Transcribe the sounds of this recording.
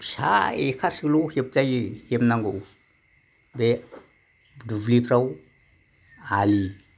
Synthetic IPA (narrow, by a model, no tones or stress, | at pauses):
sa̰ekʰasiklohep̚t͡ʃajhemnaŋɡow | be | dublipʰɾaw | ali